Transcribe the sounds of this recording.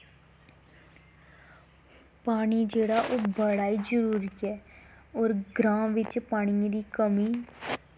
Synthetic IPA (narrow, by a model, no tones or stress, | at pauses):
paːñid͡ʒeːɽaʔobəɽaːid͡ʒəɾuːɾiɦɛːɔːɾɡɾãːʋɪt͡ʃpaːɽ̃iõd̪ikəmi